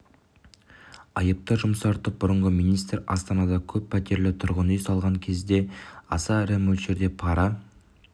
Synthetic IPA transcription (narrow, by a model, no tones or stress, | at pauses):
ɑjəp̚t̪əʒʊmsɑɾt̪əp̚bʊɾəɴʁəmijnijst̪rɑ̰st̪ɑnɑd̪ɑkʲʰɵpʰːæt̪ʰe̞ɾlɪt̪ʰʊɾʁənəjsɑlˠʁɑŋkʲʰe̞zd̪e̞ɑ̰sɑɾæmɵlʃe̞ɾd̪e̞pʰɑɾɑ